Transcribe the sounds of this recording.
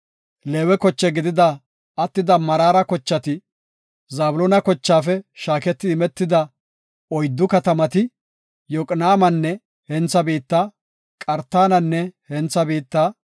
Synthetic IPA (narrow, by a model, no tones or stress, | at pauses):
leːwɛkɔt͡ʃːɛɡɪd̪ɪd̪ɐ | ɐt̪ːɪd̪ɐmɐɾaːɾɐkɔt͡ʃːɐt̪ɪ | zaːbʊlɔːnɐkɔt͡ʃːaːfɛʃaːkɛt̪ːɪɪmɛt̪ːɪd̪ɐ | ɔjd̪ːʊkɐt̪ɐmɐt̪ɪ | jɔkʼnaːmɐnːɛ | hɛnt͡sːɐbiːt̪ːa | kʼɐɾt̪ːaːnɐnːɛhɛnt͡sːɐbiːt̪ːaː